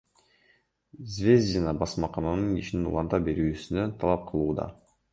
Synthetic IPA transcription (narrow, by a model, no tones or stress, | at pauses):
zvʲezd͡ʒinɑbɑsmɑqɑnɑnɯniʃininṵlˠɑnt̪ɑp̚be̞ɾyːsynønt̪ʰɑlˠɑp̚qʰɯlˠuːd̪ɑ̰